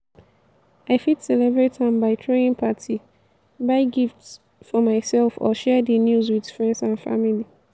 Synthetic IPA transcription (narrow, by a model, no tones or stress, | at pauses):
aɪfitsɛlɛbɹetʰːãɪ̃mbaɪtʰɹeĩŋpʰatʰi | baɪɡifts | fɔmaɪsɛlfɔ̰ʃɛdənjuzwid̥fɹɛ̃ndsãnfa̰mili